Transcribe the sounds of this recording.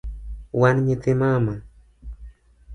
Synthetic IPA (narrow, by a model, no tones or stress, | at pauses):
wanɲet̪ɪmama